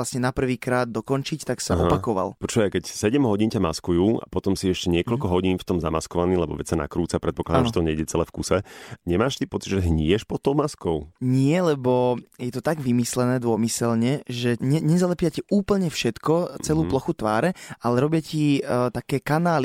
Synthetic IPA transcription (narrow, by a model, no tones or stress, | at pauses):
lasɲɛnapr̩ʋiːkɾaːd̪̚d̪ɔkɔnt͡ʃict̪aksaɔpakɔʋa̰lpɔt͡ʃɔʋakɛcsɛɟɛmɦɔɟiːncamaskujuːa̰pɔt̪ɔmsiɛʃcɛɲɪɛkɔʎkɔɦɔɟiːnft̪ɔmzama̰skɔʋaniːlɛbɔ̰ʋɛ̰csana̰kɾuːt͡sapɾɛt̪pɔklad̪amʒɛt̪ɔɲɛiɟɛt͡sɛlɛfkusɛɲɛmaːʃt̪ipɔt͡sid̪ʒɛɦɲɪɛʃpɔt̪ːɔʊmaskɔʊɲɪɛlɛbɔjɛt̪ɔt̪aɡʋimislɛnɛːd̪ʊɔmisɛlɲɛʒɛɲɛɲɛzalɛpjacɛuːpl̩ɲɛfʃɛt̪kɔt͡sɛluːplɔxut̪ʋaːɾɛalɛɾɔbɪacit̪akɛːkanaːli